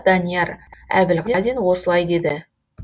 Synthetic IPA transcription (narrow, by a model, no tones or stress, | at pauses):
d̪ɑnijɑræ̰bɪlʁɑd̪enwo̞səlˠɑjd̪e̞d̪ɪ